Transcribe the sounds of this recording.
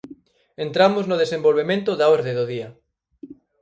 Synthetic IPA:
ent̪ɾamoznoðesembolβemẽnt̪ʊðaoɾðeðoð̞iɐ

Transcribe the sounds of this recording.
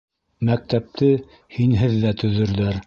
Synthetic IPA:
mæk̚t̪æp̚t̪ɘ | hinɦɘðːæt̪ɵ̆ðɵ̆ɾðæɾ

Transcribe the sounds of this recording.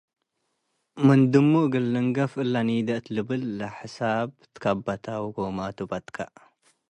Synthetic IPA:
mɨnd̪ɨmːuɡɨlːɨŋɡɐfɨlːanid̪ɐʔt̪lɨbɨlːaħɨsabt̪ʰɨ̥kʰabat̪ʰawɡomat̪ʰubat̪kʰa

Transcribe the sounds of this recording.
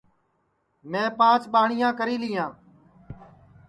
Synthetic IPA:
mɛ̃ːpãːt͡ʃɓaːɳɪjãːkəɾiːlɪːjãː

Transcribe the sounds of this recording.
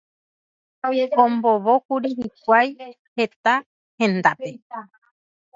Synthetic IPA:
õmbo̞ʋokuɾiɦikʷaj | he̞t̪a | hẽ̞nd̪ape

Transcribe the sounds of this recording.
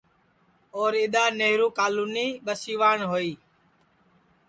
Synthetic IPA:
oːɾɪɗ̪aːneːɦɾuːkaːluːniːɓəsiːʋaːɳɦoːiː

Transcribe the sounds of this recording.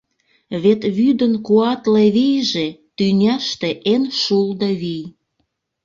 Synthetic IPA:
βet̪βyd̪ənkuɑt̪leβijʒet̪ynʲɑʃt̪eʔenʃuld̪ɤβij

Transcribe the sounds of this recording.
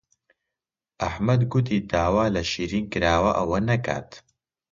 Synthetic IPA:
ʔɐħmɐd̪ɡʊt̪̬id̪aːwaːlɐʃiːɾiːnkɨɾaːwɐʔɐwɐnɐkʰa̰ːt̪

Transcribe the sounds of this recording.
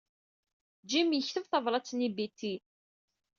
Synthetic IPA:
d͡ʒimjəçθəvθəvɾˤɑt͡sːnibit̪ːi

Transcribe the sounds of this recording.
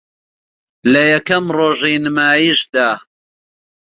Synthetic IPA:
lɐjɐkɐmroːʒiːnɨmaːjiʃd̪aː

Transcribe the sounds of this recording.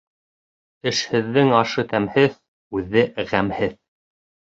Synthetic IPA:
ɘ̆ʃhɘ̆ðːɘŋɑʃɤt̪æmhɘð | ʉðːɘʁæmhɘð

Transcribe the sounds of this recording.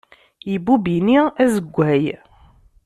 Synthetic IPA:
jibubiniæzəɡʷːæj

